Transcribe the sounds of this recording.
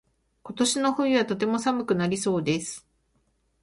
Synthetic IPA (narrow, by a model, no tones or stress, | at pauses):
ko̞t̪o̞ɕino̞ɸɯ̟̃iβat̪o̞t̪̬e̞mo̞samɯ̟kɯ̟naɾʲiso̞ːd̪e̞sɨ̥